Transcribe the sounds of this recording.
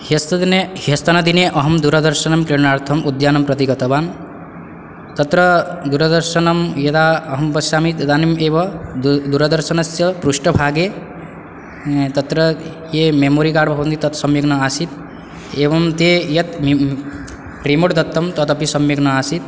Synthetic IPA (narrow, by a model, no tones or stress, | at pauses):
hest̪d̪nehest̪ɐnɐd̪ineʔʌɦɐmd̪uɾɐd̪ɐɾʃɐnɐmkɾeɳaːɾt̪ʰɐmʔud̪jaːnɐmpɾɐt̪iɡɐt̪ɐbaːn | t̪ɐt̪ɾʌd̪uɾɐd̪ɐɾʃɐnɐmjɐd̪aɐɦɐmbɐsaːmit̪ɐd̪aːnimeːbʌd̪uɾɐd̪ɐɾʃɐnɐsjɐpɾuʃʈɐbʱaːɡe | t̪ɐt̪ɾʌ | jememoːɾikaːɽbʱɐbɐnd̪it̪ɐt̪sɐmjɐɡnɐaːsit̪ | ebɐmt̪ejɐt̪ | pɾimoɽd̪ɐt̪ːɐmt̪ɐt̪ɐpisɐmjɐɡnɐaːsit̪